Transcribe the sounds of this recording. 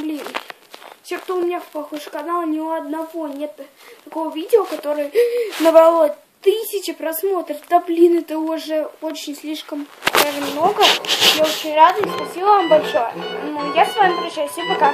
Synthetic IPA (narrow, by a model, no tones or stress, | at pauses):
blʲinɨ | sʲek̚t̪oʊmʲɪnʲafpɐxojʂkɐnalˠʊnʲɪoɐd̪nɐvo̞nʲet̪ː | ɐko̞vəvʲidʲɪokɐt̪o̞ɾɨjənəbɐlˠo | t̪ɨsʲɪt͡ɕɪpɾɐsmo̞t̪ɾəft̪ɐblʲinɨt̪əoʐɛot͡ɕɪnʲsʲlʲiʂkəmavəmʲmno̞ɡəjao̞t͡ɕɪnʲrad̪əɪspɐsʲilˠəvambɐlʲʂo̞jəjasvamʲɪpɾʲɪt͡ɕajsʲepɐka